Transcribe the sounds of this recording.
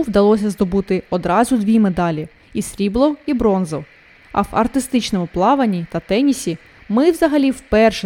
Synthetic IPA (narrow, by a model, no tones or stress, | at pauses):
wd̪ɐlˠɔsʲɐzd̪ɔbut̪ɪɔd̪ɾɑzʊd̪ʲʋʲimed̪ɑlʲi | isɾʲiblˠɔwibɾɔnzɔw | ɐ̰wɐ̰rt̪ɪst̪ɪt͡ʃnɔmʊplˠɑʋɐnʲːit̪ɐt̪ɛnʲisʲi | mɪwzɐɦɐlʲiwpɛrʃ